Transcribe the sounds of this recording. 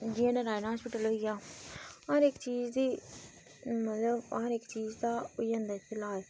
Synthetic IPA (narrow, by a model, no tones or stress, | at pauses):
d͡ʒiẽːnẽːɾaːɪnːɦaːspɪʈəlɦoiɡaːaɾɪkt͡ʃiːd͡ʒd̪iː | mət̪ləb̰əɾɪkt͡ʃiːd͡ʒd̪aːoiːə̃nd̪apʰɪlaːeː